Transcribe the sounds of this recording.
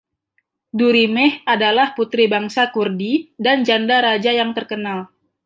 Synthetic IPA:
duɾimɛhadalahput̪ɾibaŋsakurdidand͡ʒandaɾad͡ʒajaŋt̪ərkənal

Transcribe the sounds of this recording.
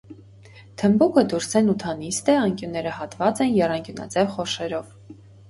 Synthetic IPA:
t̪ʰəmbukəd̪uɾsɛnut̪ʰɑnist̪ɛɑŋkjunːɛɾəhɑt̪vɑt͡sɛnjɛrɑŋkjunɑ̰d͡zɛvχɔʃɛɾɔv

